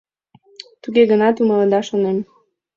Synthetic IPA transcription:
t̪uɣeɣənɑt̪umələd̪ɑʃonem

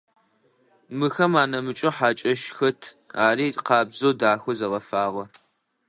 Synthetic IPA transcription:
mɨxɐmaːnɐmɨt͡ʃʼɐħaːt͡ʃʼɐʃxɐtʰ | aːɾiːqɑːbzoːdaːxʷɐzɐʁɐfaːʁɐ

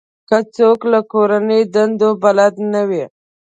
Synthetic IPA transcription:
kət͡soklakoɾanəjd̪and̪obalad̪nawi

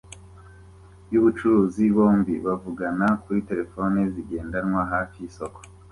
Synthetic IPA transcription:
juβut͡ʃuɾuːziβoːmbiβavuɡanakuɾite̞ɾe̞fo̞neziɡe̞ːndanŋwaɦaːfiiso̞ko̥

